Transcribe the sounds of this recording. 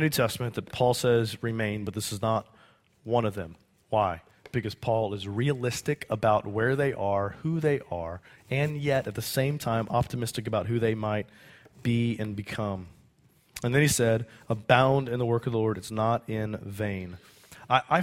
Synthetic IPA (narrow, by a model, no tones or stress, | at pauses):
nʉtʰɛstmɨ̃nðɨt̚pʰɔlˠsɛzɹɨmẽɪ̃nbʌt̪̚ðɪsɨznət̚ | wʌ̃nʌvðɨ̰̃m | waɪ | b̥ɨkʌz̥pʰɔlˠɪzɹiɨlɪstɨkʰəbaʊt̚wə˞ðeɪʔə˞huðeɪʔə˞ɨ̃njɛɾɨt̪̚ðɨsẽɪ̃mtʰãɪ̃mʔɑp̚tʰɨmɪstɨk̬ɨbaʊt̚ɦhʉðeɪmaɪt̚b̥iɨ̃nbɨkʰʌ̃m | ɨ̃nðɨ̃nisɛɾəbãʊ̃ndɨ̃nðəwɜ˞kʌvðəlɔɹɾɨtsnəɾɪ̃nvẽɪ̃n | aɪʔaɪ